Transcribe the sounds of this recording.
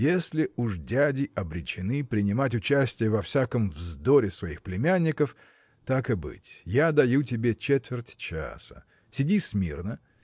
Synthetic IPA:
jesʲlʲɪuʐdʲædʲɪʔɐbɾʲɪt͡ɕɪnɨpɾʲɪnʲɪmatʲʊt͡ɕæsʲtʲɪjəvɐfsʲakəmvzd̪oɾʲɪsvɐixplʲɪmʲænʲːɪkəf | t̪akɨbɨ̰tʲjad̪ɐjut̬ʲɪbʲet͡ɕet̪vʲɪrtʲt͡ɕa̰sə̥̰ | sʲɪdʲisʲmʲḭrnə

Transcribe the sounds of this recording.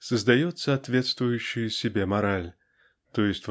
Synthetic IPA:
səzd̪ɐjɔt̪saːt̪vʲɛt̪st̪vʊjʉɕːɪjsʲɪbʲemɐɾalʲ | t̪ɔjɪsʲtʲv

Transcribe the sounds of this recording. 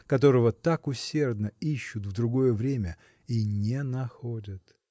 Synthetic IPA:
kɐt̪̬o̞ɾəvət̪akʊsʲe̞rd̪nəiɕːʊt̪vd̪ɾʊɡo̞jəvɾʲemʲə | inʲenɐxodʲət̪

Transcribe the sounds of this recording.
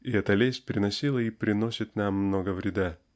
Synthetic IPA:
iɛt̪ɐlʲesʲt̚ʲpʲɾʲɪnɐsʲilˠəipɾʲɪno̞sʲɪt̪namːnoɡəvɾʲɪd̪a

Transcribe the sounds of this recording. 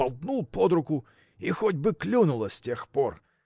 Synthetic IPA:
ɐlˠd̪nulˠpɔd̪ɾʊkʊ | ixɔdʲbɨklʲunʊlˠəsʲtʲexpɔr

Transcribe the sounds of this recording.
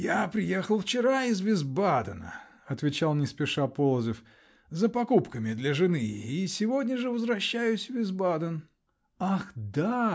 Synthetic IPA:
japɾʲɪjexəlˠft͡ɕɪɾaɪzvʲɪzbad̪ənə̰ | ɐt̪vʲɪt͡ɕalˠnʲɪspʲɪʂapolˠzəf | zəpɐkupkəmʲɪd̪lʲəʐɨnɨisʲɪvodʲnʲəʐɨvəzvɾɐɕːæjʊsʲvʲɪzbad̪ən | axd̪a

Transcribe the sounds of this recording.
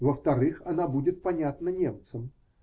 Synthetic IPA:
vəft̪ɐɾɨxɐnabudʲɪt̪̚pɐnʲat̪nənʲemt̪sɨm

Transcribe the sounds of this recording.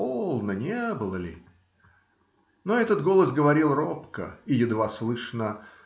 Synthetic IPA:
olˠnənʲebɨlˠəlʲɪ̰ | noɛt̪ət̪ɡo̞lˠəsɡəvɐɾʲilˠropkə̰ijɪd̪vaslˠɨʂnə

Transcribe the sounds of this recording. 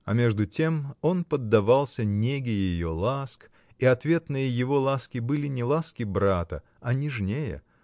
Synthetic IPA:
ɐmʲe̞ʐd̪ʊtʲe̞mo̞npəd̪ːɐvalˠsʲənʲeɡʲɪjɪjo̞lˠask | iɐt̪vʲe̞t̪nɨjəjɪvo̞lˠaskʲɪbɨlʲɪnʲɪlˠaskʲɪbɾat̪ə̰ | ɐnʲɪʐnʲejə̰

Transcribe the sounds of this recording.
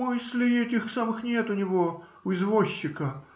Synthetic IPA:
ɨsʲlʲɪɛtʲɪxsamɨxnʲe̞t̪ʊnʲɪvo̞ | ʊɪzvoɕːɪkə

